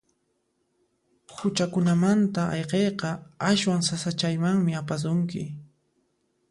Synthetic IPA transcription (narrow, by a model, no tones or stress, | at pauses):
hʊt͡ʃakʊnamant̪aɑ̰jqejqɑaʃwaŋsasat͡ʃajmaŋmɪapas̬ʊŋkɪ̰